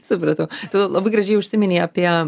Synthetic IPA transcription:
sʊpɾɐt̪ɐʊt̪odʲlˠlˠɐbɐɪɡɾɐʒʲɛɪʊʃʲsʲɪmʲɛnʲeːɐːpʲiɛ

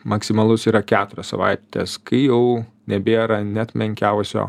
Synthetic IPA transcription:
mɐksʲɪmɐlˠʊsiːɾɐkʲæːt̪ʊɾʲɛssɐ̰ʋɐ̰ɪt̪ʲḛːskɐɪjɛʊ | nʲɛbʲeːɾɐnʲɛɐt̪ʲmʲɛŋʲkʲɛʊsʲo̰ː

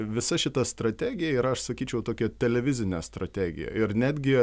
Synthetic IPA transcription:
ʋʲɪsɐʃʲɪt̪ɐst̪ɾɐt̪ʲæːɡʲɪjɛiɾɐɐʃsɐkʲiːt͡ʃʲɛʊt̪oːkʲɛt̪ʲɛlʲɛʋʲɪzʲɪnʲɛst̪ɾɐt̪ʲæːɡʲɪ̰jɛ̰ɪɾnʲæːd̪ʲɡʲɪ

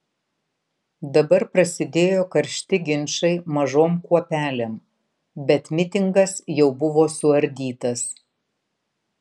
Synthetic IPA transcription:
d̪ɐbɐɾpɾɐsʲɪd̪ʲeːjoːkɐɾʲʃʲt̪ʲɪɡʲɪnʲʃɐɪmɐʒoːmkuɔpʲæːlʲeːm | bʲɛt̪mʲɪt̪ʲɪŋɡɐsjɛʊbʊʋoːsʊɐɾʲd̪ʲiːt̪ɐs

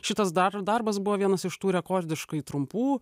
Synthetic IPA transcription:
ʃʲɪt̪ɐsd̪ɐɾd̪ɐɾbɐs̬bʊʋoːʋʲiɛnɐsɪʃt̪uːɾʲɛkoːɾʲd̪ʲɪʃkɐɪt̪ɾʊmpuː

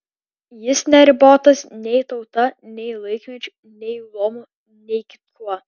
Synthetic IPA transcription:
jɪsnʲɛɾʲɪboːt̪ɐsnʲɛɪt̪ɒʊt̪ɐnʲɛɪlˠɐɪkʲmʲɛt͡ʃʲʊ | nʲɛɪlˠoːmʊ | nʲɛɪkʲɪ̥t̪̚uɔ

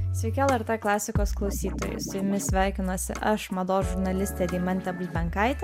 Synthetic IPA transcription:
sʲʋʲɛɪkʲɛɛlˠɛɾt̪eːklˠɑːsʲɪkoːsklˠɐʊsʲiːt̪oːjɛ̰ɪsʊjʊmʲɪsʲʋʲæˑɪkʲɪnoːsʲɪ̰ʔɐʃmɐd̪oːʒʊɾnɐlʲɪsʲt̪ʲɛːd̪ʲɛːmɐnʲt̪ʲɛbʊlʲbʲɛŋkɐˑɪt̪ʲɛ

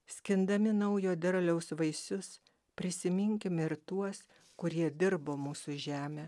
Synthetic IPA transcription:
sʲkʲɪnd̪ɐmʲɪnɐʊjoːd̪ʲɛɾlʲɛʊsʋɐɪsʊs | pʲɾʲɪsʲɪmʲɪŋʲkʲɪmɪɾt̪uɔs | kʊɾʲiɛd̪ʲɪɾboːmuːsʊʒʲæːmʲeː

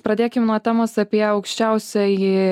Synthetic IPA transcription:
pɾɐd̪ʲeːkʲɪmnuɔt̪ʲæːmoːsɐpʲiɛɐʊkʃʲt͡ʃʲɛʊsʲɛɪ

